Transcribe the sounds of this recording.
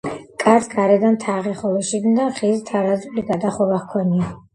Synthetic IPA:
kʼaɾsʰɡaɾɛd̪ant̪ʰaʁɛχɔlˠɔʃiɡ̪nd̪aχizt̪ʰaɾazuliɡad̪aχɔvahkʰɔnia

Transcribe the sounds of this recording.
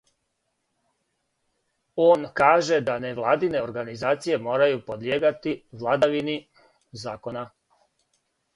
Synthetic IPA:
o̞ːnkaːʒe̞d̪aneʋlˠaːd̪ine̞o̞ɾɡanizaːt̪sije̞mo̞ːɾajupo̞d̪ljeːɡat̪iʋlˠad̪aʋini | zaːko̞na

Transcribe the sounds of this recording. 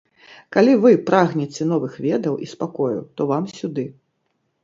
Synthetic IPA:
kalʲivɨpɾaɣnʲɛt͡sʲɛn̪ɔvɨxvʲɛd̪ɐwʔispakɔjṵt̪ɔvamsʲud̪ɨ

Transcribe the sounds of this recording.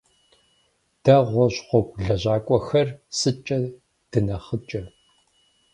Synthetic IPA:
d̥ɐʁʷɔɕχʷɔkʷɮɐʑaːkʷʼɔxɐrsɨt͡ʃʼɐ | d̥ɨnɐχət͡ʃʼɐ

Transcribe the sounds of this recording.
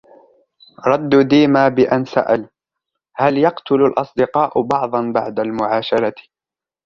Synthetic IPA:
ɾˤɑd̪ːd̪iːmaːbɪʔansa̰ʔal | haljɑqt̪ʊlalʔɑsˤd̪ɪqɑːʔʊbɑʕd̪ˤɑnbaʕd̪almʊʕɑːʃɑɾˤɑt̪

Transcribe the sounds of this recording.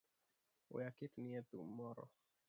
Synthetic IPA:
ṵjakit̪niɛt̪umɔɾɔ̰

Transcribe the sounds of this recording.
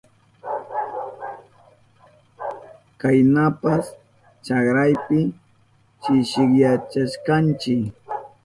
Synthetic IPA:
kajnapas | t͡ʃakɾajpɪ | t͡ʃɪʃɪkjat͡ʃaʃkant͡ʃɪk

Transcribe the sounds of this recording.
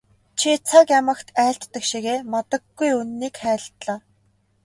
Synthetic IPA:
t͡ɕʰit͡sʰakjamə̆kt̪ʰæːɬt̪ːə̆kʃiɣeːmat̪ə̆ɡːujunnːiːkχæːɮt̪ɮaː

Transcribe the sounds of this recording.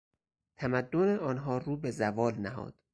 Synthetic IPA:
t̪ʰæmæd̪ːoneɒːnɦɒːruːbezævɒːlnæɦɒ̰ːd̪̥

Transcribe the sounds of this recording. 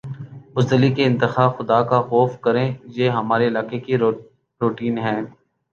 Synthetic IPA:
bʊzd̪əlikeɪ̃nt̪ɪxaːxʊd̪akaxɔːfkɐɾẽːjeːɦɐmaːɾeɪlaːkeki | ɾoːʈiːnɦɛ̃ː

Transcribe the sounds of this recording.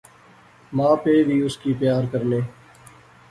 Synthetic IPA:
mãːpeːbʱiːʊskiːpjaːɾkəɾneː

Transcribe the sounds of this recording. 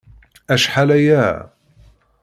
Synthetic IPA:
ʔaʃħalajaː

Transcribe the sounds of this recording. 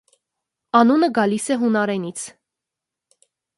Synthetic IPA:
ɑnunəɡɑlisɛɦunɑɾɛnit͡sʰ

